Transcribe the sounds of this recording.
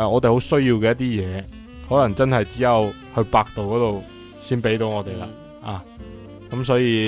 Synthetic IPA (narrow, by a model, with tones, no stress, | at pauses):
ŋɔː˨˧t̪e˨˩ho˨˥wsɵ˥ɥjiː˧wkɛː˧jɐ˥t̪iː˥jɛː˨˧ | hɔː˨˥lɐ˨˩ŋt͡sɐ˥nhɐ˨jt͡siː˨˥jɐ˨w | hɵ˧ɥpaː˧k̚t̪o˨wkɔː˨˥t̪o˨w | siː˥npe˨˥jt̪o˨˧˥wŋɔː˨˧t̪e˨˩jla̰ː˧ | aː˨˩ | kɐ˨˥msɔː˨˥jiː˧